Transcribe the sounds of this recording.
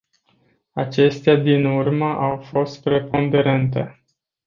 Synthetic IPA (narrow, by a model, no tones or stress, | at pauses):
at͡ʃe̞st̪ead̪inurməʔawfo̞st̪̚pɾe̞po̞nd̪e̞ɾent̪e̞̰